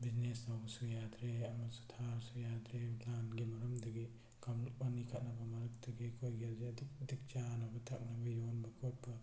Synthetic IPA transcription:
bid͡ʒnestawbɐsujad̪ɾeɐmɐtsu̥tʰaɾsujadɾeplanɡimɐɾɐmdɐɡi | kʰawmnuk̚mɐnikʰɐt̚nɐbɐmɐɾɐk̚tɐɡikʰojɡaziɐduk̚ɐdik̚t͡ʃanɐbɐtʰa̰k̚nɐbɐjonbɐkʰot̚pɐ

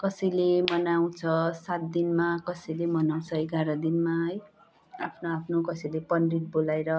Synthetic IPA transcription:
kʌsʌjlemʌnaw̃t͡sʰʌsat̪̚d̪inmakʌsʌjlemʌnaw̃t͡sʰʌeɡaɾʌd̪inmaɦʌj | a̰pʰnoapʰnokʌsʌjlepʌnriʈ̚bolajɾʌ

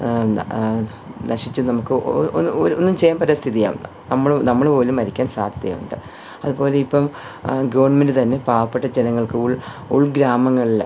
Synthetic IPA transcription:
nɐʂit͡ɕːunɐmukːɨoooɾonːumt͡ɕe̞jaːmpɐɾast̪ʰiðija̰ːʋunːɨnɐmːɐɭnɐmːɐɭpo̞ːlumːɐɾikʲːaːnsa̰ːd̪ʱɐðjɐ̰mṵɳɖɨ | ɐðubo̞ːle̞ipːɐm | ɡɐʋɐɳmendɨt̪ɐnːe̞paːʋɐpːeʈːɐd͡ʑenɐŋːɐɭkɨuɭ | uɭɡɾaːmɐŋːɐɭil

